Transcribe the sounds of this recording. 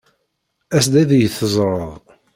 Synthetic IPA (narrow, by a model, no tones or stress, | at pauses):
æsd̪æðjəθəzˤɾˤəðˤ